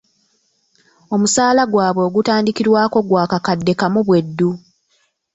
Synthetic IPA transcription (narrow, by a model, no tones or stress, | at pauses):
o̞musaːlaɡwaːβwe̞ːɡutaːndikiɾwaːko̞ɡwaːkakadːe̞kamuβwe̞dːu